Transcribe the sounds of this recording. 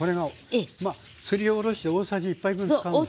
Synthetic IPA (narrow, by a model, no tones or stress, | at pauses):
o̞ɾe̞ɡa | ema | sɨɾʲioːɾo̞ɕi̥t̪eoːsaʑiːpːaiɡɯ̃nka